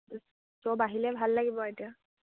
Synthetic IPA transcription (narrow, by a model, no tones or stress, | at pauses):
sɔbaɦilɛbʱalːaɡibɔetia